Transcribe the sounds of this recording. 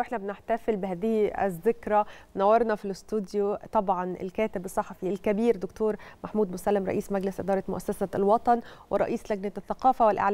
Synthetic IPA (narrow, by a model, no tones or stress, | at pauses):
wʔeħnæbenɪħt̪æfɪlbɪɦæːðɪhiæ̰zːɪkɾˤɑnæwːɑɾˤnɑfilɪst̪ud̪jut̪ˤɑbʕɑnɪ̰lkæːt̪ɪbʔsˤːɑħɑfiːælkæbiːɾd̪ʊkt̪uːɾmaħmuːd̪mʊsælːɪmɾˤɑ̰ʔiːsmæɡlɪsʔɪd̪ɑːɾˤɑt̪mʊ̰ʔæsːæsælwɑt̪ˤɑnwɪɾˤɑ̰ʔiːslæɡnæθːæqɑːfæwɪlʔa̰ʕlː